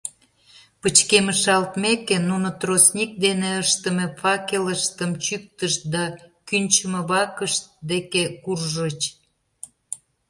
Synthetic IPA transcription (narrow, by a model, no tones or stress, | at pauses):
pət͡ɕkeməʃɑlt̪mekenunot̪rosnʲik̚d̪eneəʃt̪ə̆mĕfɑkeləʃt̪əmt͡ɕyk̚t̪əʃ̚d̪ɑkynt͡ɕəməβɑkəʃt̪d̪ekekurʒət͡ɕ